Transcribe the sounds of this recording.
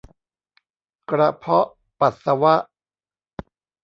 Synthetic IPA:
kɾa˧pʰɔ˦˥ʔ | pa˨˩t̪̚sa˧wa˦˥ʔ

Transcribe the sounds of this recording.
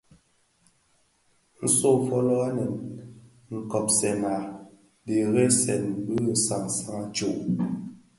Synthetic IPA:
n̩˦so˦˨fɔ˦lɔ˦a˦nɛ˨n | ŋ̩˨kɔ˨p̚sɛ˨na˨ | de˨ɣɛ˦sɛ˨n˦bə˦˨sa˨ŋsa˦ŋa˦t͡ʃo˦˨ʔ

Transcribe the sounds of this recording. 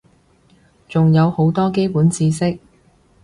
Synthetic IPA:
t͡sʊ˨ŋjɐ˨˧who˨˥wt̪ɔː˥k̬e˥jpuː˨˥nt͡siː˧sɪ˥k̚

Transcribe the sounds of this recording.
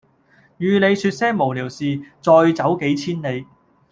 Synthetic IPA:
jyː˨˧ne˨˧jsyː˧t̚sɛː˥ŋmo˨˩wliː˨˩wsiː˨˧t͡sɔː˧jt͡sɐ˨˥wke˨˥jt͡sʰiː˥ne˨˧j

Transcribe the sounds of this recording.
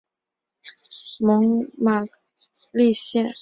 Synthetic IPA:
mɤ˧˥ŋma˥˩ | li˥˧ɕjɛ˥˩n

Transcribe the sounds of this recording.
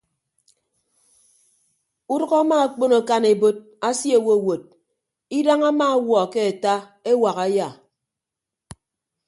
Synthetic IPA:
u˦dʊ˦ɣa˦ma˦a˨k͡po˦no˨ka˦ne˨bo˦t̚ | a˦sji˦e˦˨wo˦˨wo˨t̚ | i˦da˦ŋa˦ma˦a˦wɔ˨ke˦a˨ta˦ | e˦wa˨ɣa˨ja˦˨

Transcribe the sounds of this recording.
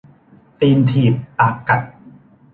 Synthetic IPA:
t̪iː˧mt̪ʰiː˨˩p̚ʔaː˨˩kːa˨˩t̪̚

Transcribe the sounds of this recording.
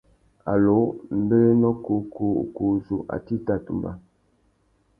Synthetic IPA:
a̰˨lo˨˦m̩˦be˦le˦nɔ˦ku˦kṵ˦˨ku˦zu˨ʔa̰˨ti˦ta˦˨tu˨mba˦

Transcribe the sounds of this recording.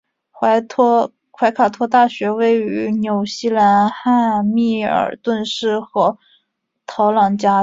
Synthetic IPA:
wa˧˥t̪ʰ | kʰwa˧˥ɪkʰa˨˩t̪ʰwɔ˥t̪a˥˩ɕɥɛ˧˥we˥˩ɪy˧˥njo˨˩ʊɕi˥˩la˧˥nxa˥˧nmi˥˩ə̰˨˩t̪wə˥˧nʂɻ̩˥˩xɤ˧˥ | t̪ʰɑ˧˥ʊlɑ˨˩ŋt͡ɕja˥

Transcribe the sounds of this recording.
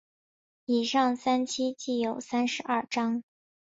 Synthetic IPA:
i˨˩ʂɑ˥˩ŋsa˥nt͡ɕʰi˥t͡ɕi˥˩jo˨˩ʊsa˥nʂɻ̩˧˥ʔɐ˥˩ʈ͡ʂɑ˥ŋ

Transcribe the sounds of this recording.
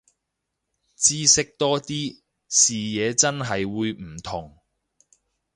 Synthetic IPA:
t͡siː˥sɪ˥k̚t̪ɔː˥t̪iː˥ | siː˨˩jɛː˨˧t͡sɐ˥nɦɐ˨jwuː˨˧jmm̩˨˩t̪ʰʊ˨˩ŋ

